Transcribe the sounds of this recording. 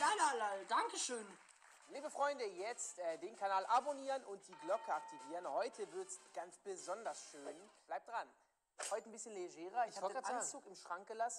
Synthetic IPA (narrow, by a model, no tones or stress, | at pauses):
lalalaldaŋkəʃøːn | liːbəfʁ̥ɔʏndəjɛt͡stʔɛːdeːnkʰanaːlʔaboniːʁənʊnt̚d̥iːɡlɔkʰəak̚tʰiviːʁənhɔʏtʰəvɪɐtsɡ̥ant͡sb̥əzɔndɐsʃøːnb̥laɪp̚d̥ʁan | hɔʏtən̩bɪsçənleʒɛːʁɐɪçɔlɡɡʁaːʔant͡suːkɪmʃʁ̥aŋk̚ɡ̥əlasn̩